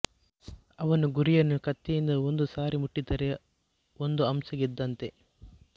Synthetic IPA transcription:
ɐʋɐnuɡuɾijɐnːukɐt̪ːijind̪ɐond̪usaːɾimuʈːit̪ɐɾe | ond̪uɐmsɐɡid̪ːɐnt̪e̞

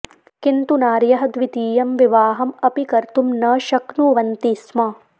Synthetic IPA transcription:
kint̪unaːɾjɐɦɐd̪ʋit̪iːjɐmʋiʋaːɦɐmɐpikɐɾt̪umnɐːʃɐknuʋɐnt̪ismɐ

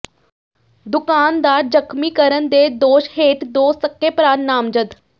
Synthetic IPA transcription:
d̪ʊkaːnd̪aːɾd͡ʒəkʰmiːkəɾənd̪eːd̪oːʃheːʈ̪d̪oːsɐkːepɾaːnːaːmd͡ʒəd̪

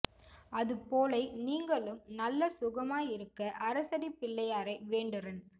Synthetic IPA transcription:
ɐðɯpoːlɐɪniːŋɡɐɭɯmnɐlːɐsʊɣɐmaːjɪɾɯkːɐʔɐɾɐsɐɽipɪlːɐjaːɾɐɪʋeːɳɖɪrɐn

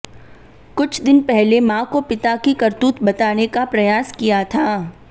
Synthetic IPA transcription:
kʊt͡ʃʰd̪ɪnpɛɦlemãːkopɪt̪akikɐɾt̪uːt̪bɐt̪aːnekapɾɐjaːskijat̪ʰaː

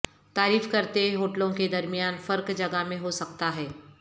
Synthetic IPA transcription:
t̪aːɾiːfkɐɾt̪eɦoːʈlõked̪ɐɾmijaːnfɐɾkd͡ʒɐɡamẽɦosɐkt̪aɦɛː

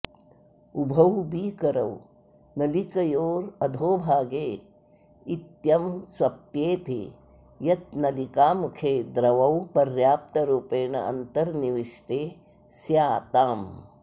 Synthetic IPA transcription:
ubʱɐwbiːkɐɾɐw | nɐlikɐjoːɾɐd̪ʱoːbʱaːɡeː | it̪jɐmswɐpjeːt̪ḛː | jɐt̪̚nɐlikaːmukʰeːd̪ɾɐʋɐwpɐɾjaːp̚t̪ɐɾuːpeːɳɐ̰ʔɐ̰nt̪ɐɾniʋiʂʈeː | sjaːt̪aːm

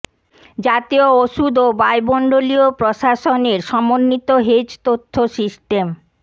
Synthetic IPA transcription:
d͡ʑat̪iooʃud̪obajbɔɳɖoliopɾoʃaʃoneɾʃɔmonːit̪oɦed͡ʑt̪ot̪ʰːosisʈem

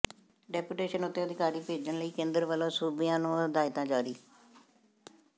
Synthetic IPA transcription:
ɖɛːpuʈeːʃənʊt̪ːẽːəd̪ɪkaːɾiːpeːd͡ʒənləiːkẽːnd̪əɾʋəlõːsuːbɪjãːnũːəd̪aːɪt̪ãːd͡ʒaːɾiː

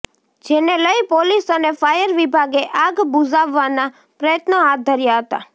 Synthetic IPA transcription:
d͡ʒeneləjpolisənefajəɾʋibʱaɡeʔaɡbud͡ʒaʋːana | pɾəjət̪nəɦat̪̚d̪ʱəɾjaɦət̪a̰

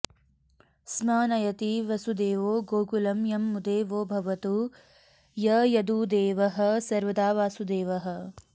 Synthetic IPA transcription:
smaːnɐjɐt̪iʋɐsud̪eːʋoːɡoːkulɐmjɐmːud̪eːʋoːbʱɐʋɐt̪u | jɐjɐd̪uːd̪eːʋɐɦɐ̆sɐɾʋɐd̪aːʋaːsud̪eːʋɐɦɐ̆

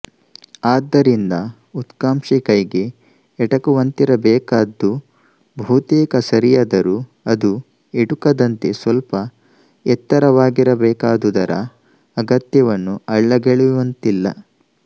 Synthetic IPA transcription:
aːd̪ːɐɾind̪ɐ | ut̪kaːmʂikɐjiɡe̞ː | ʈɐkuʋɐnt̪iɾɐbɛːkaːd̪ːu | bʱuːt̪eːkɐsɐɾijaːd̪ɐɾu | ɐd̪u | eɽukɐd̪ɐnt̪e̞sʋɐlpɐ | ɛt̪ːɐɾɐʋaːɡiɾɐbɛːkaːd̪ud̪ɐɾɐ̰ː | ɡɐt̪jɐʋɐnːuɐɭːɐɡeɭuʋɐnt̪ilːɐ̰

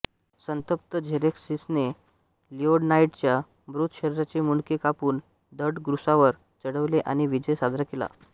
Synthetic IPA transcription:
sənt̪əp̚t̪əd͡ʑʱeɾeksisne | lioɽnaiʈt͡ɕja | bɾut̪ʰɕəɾɾat͡ɕimuɳkikapuːn | d̪əɽɡɾusaʋəɾ | t͡səɽəʋleʔaɽ̃iʋid͡ʑəjsad̪ʱɾakela̰

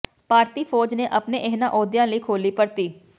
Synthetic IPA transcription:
paːɾt̪iːpʰoːd͡ʒneːʔəpneːʔɪɦnãːʔɔːd̪jãːləiːkʰoːliːpəɾt̪iː

